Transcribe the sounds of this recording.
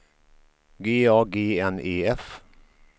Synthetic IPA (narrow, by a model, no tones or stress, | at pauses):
ɡeːɑːɡeːɛneːɛf